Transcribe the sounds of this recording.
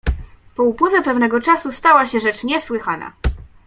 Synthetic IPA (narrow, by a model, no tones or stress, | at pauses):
pɔupwɘvʲjɛpɛvnɛɡɔt͡ʂasust̪awaɕɛʐɛt͡ʂɲɛswɘxana̰